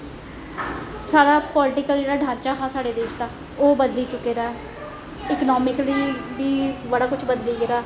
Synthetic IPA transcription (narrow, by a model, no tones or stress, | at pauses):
saːɽaːpɔːlɪʈɪkəld͡ʒeːɽaːɖʱãːɾt͡ʃaːɦãːsaːɽeːd̪eːʃt̪ãː | oːbəd̪liːt͡ʃʊkeːɾaː | ɪkənɔːmɪkliːbiːbəɽaːkʊt͡ʃʰbəd̪liːɡeɾaː